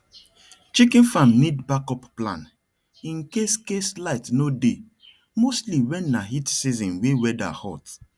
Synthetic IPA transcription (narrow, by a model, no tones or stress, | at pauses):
t͡ʃikĩnfãmnidbakɔpplã̰n | ĩnkeskeslaɪtnode | mostliwɛ̃nːaɦitsizɔ̃nwewɛda̰hɔ̰t